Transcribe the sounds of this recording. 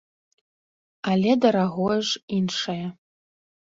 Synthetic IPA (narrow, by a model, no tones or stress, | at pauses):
alʲedaɾaɣoʐinʂaja